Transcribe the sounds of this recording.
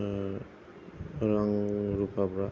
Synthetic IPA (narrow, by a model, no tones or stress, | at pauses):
ɾaŋɾupapɾa